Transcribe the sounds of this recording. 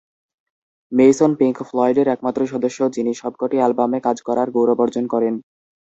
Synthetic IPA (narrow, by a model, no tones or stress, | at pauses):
mejsonpiŋkflɔjɖeɾɛkmat̪ːɾoʃɔd̪oʃːod͡ʑiniʃɔb̚koʈialbamekad͡ʑkɔɾaɾɡowɾobɔɾd͡ʑonkɔɾen